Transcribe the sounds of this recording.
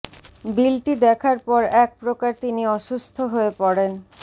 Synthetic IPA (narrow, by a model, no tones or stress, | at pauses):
bilʈid̪ɛkʰaɾpɔɾɛk̚pɾokaɾt̪iniɔʃust̪ʰoɦoepɔɾen